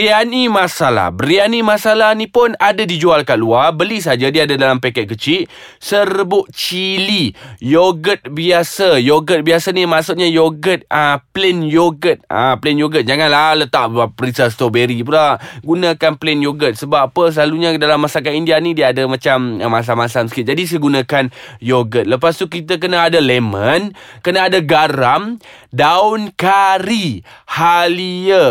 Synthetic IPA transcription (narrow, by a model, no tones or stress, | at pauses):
ianimasala̰hbəɾianimasalahnipʊnadadid͡ʒualkaluarbəlisad͡ʒadiaadadalampɛkɛt̪̚kət͡ʃiʔ | sərəbʊʔ̚t͡ʃilijoɡət̪̚biasəjoɡət̪̚biasanimaʔsuʔ̪̚ɲajoɡət̪̚aplɛnjoɡət̪̚a̰plɛnjoɡət̪̚d͡ʒaŋanlalət̪aʔpəɾisast̪obeɾipəlaɡunãkanplɛnjoɡət̪̚səbapəs̬əlaluɲadalamːasak̬aindianidiəːdəmãt͡ʃaməmas̬amasaməsə̥kɪt̪̚d͡ʒadis̬əɡunãkanjoɡət̪̚ləpast̪ukit̪ək̬ənaadalemə̃nkənaːdaɡaɾam | daʊnkaɾihaliə